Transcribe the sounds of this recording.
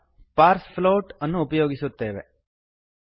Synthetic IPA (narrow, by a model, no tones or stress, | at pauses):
paːɾsfloːʈənːũupjoːɡisut̪eːʋḛ